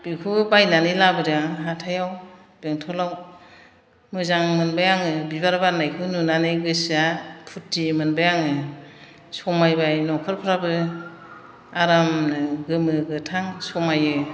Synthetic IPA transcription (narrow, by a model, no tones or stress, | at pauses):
b̥ikʰubajnanilabɯɾaɦatʰajaw | beŋtʰɔlaw | mɯzaŋmɯnbajaŋɯbiβaɾbaɾnajkʰɯwnunanɯjɡɯsapʰutːimɯnbajaŋɯ | sɔmajbajnɔkʰɯɾpʰɾabɯ | aɾamnɯɡɯmɯɡɯtʰaŋsɔmajɯ